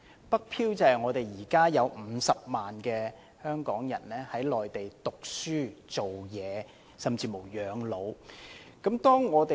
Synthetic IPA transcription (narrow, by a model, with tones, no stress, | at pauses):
pɐ˥k̚pʰiː˥wt͡sɐ˨hɐ˨˩jŋɔː˨˧t̪e˨jjiː˨˩kaː˥jɐ˨˧wm̩˨˧sɐ˨p̚maː˨nkɛː˧ | hœː˥ŋkɔː˨˥ŋjɐ˨˩nlɛː˥hɐ˨˥jlɔː˨jt̪e˨jt̪ʊ˨k̚syː˥t͡so˨wjɛː˨˧ | sɐ˨mt͡siː˧mo˨˩wjœː˨˧ŋlo˨˧wkɐ˨˥mt̪ɔː˥ŋːɔː˨˧t̪e˨